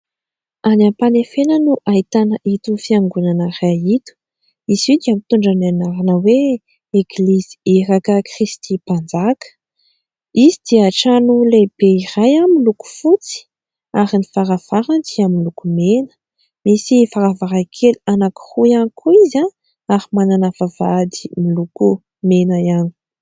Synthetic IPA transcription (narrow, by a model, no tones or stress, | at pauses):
anampanefenənuʔait̪anəʔit̪ufiaŋɡunanərait̪u̥ | ized̪iamit̪uɳɖ͡ʐananaɾanəwe | eɡlizi̥eɾakəkrist̪ʰipand͡zakə̥ | izid̪̥iaʈ͡ʂanuleb̥eirajamiluku̥fut͡si̥ | aɾinifaɾav̥aɾand̪iamilukumenə̥ | misifaɾavaɾakʰeluanaki̥χujanikʰuiza | aɾimananavav̥ad̪i̥miluku | menajani̥